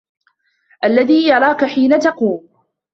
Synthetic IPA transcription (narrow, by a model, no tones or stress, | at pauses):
ʔalːaðiːjɑɾˤɑːkaħiːnat̪ɑquːm